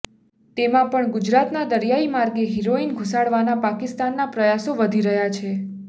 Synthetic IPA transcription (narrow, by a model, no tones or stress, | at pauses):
t̪emãpəɳɡud͡ʒɾat̪nad̪əɾjaimaɾɡeɦiɾoinɡʱusaɽʋanapakist̪anːapɾəjasoʋəd̪ʱiɾəɦjat͡ʃʰe